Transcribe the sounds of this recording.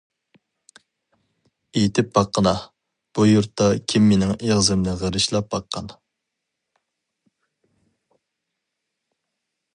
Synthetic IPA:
ejt̪ʰɪp̚bɑqʰːənɑ | b̥ujuɾt̪ːɑkʲʰimːenɪŋeʁzɨmnɪʁəɾɨʃlˠɑp̚bɑqʰːɑn

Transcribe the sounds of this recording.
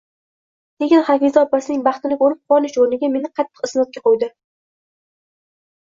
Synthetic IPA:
k̪ʲʰeɡʲɪnχɑfɪzaɒpːasɪnɪŋbɑχt̪ɪnɪkʲoɾɪp̚qʰɒnɪʃoɾnɪɡʲame̞nɪqʰɑt̪ʰːɨ̥qɨsɪnɒt̪̚kʲaqʰojd̪ɪ

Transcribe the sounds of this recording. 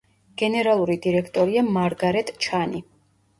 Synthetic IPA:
ɡ̥ɛnɛɾalˠuɾid̪iɾɛkʰt̪ʼɔɾiamaɾɡaɾɛt̪ʰʼt͡ʃʰani

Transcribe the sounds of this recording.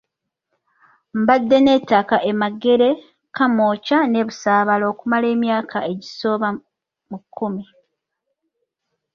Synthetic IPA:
mbad̪ːe̞ne̞takaʔe̞maɡe̞ɾe̞ | kamoːcane̞ːβusaːβalo̞ːkumale̞ːmjaːkaeɟiso̞ːβa | mukʰːumi

